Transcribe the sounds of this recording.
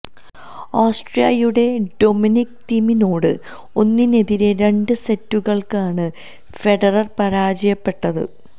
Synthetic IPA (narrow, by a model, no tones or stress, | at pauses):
aːsʈrijɐjuɽe̞ɖo̞minikt̪iːmino̞ːɽɨ̰ | o̞nːine̞ðiɾe̞ɾe̞ɳɖɨse̞tːuɣɐɭkaːɳɨ | fe̞ɽɐrɐrpɐɾaːd͡ʑɐjɐpːe̞ʈːɐðɨ̰